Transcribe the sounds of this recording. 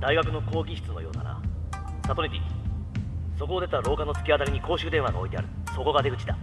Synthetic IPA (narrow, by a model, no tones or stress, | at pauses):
d̪aiɡakɯ̟no̞ko̞ːɡʲiɕi̥t͡sɨno̞jo̞ːd̪a̰ɾa̰ | sat̪o̞ɲʲit̪ʲi | so̞koːd̪e̞t̪aɾo̞ːkano̞t͡sɨ̥kʲiat̪aɾiɲ̟iko̞ːɕiɯd̪ẽ̞ɰ̃aɡa̰o̞̰it̪e̞a̰ɾɯ̟ | so̞ko̞ɡad̪e̞ɡɯ̟t͡ɕid̪a̰